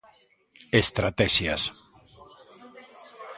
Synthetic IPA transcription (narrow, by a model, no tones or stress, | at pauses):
est̪ɾat̪ɛʃjas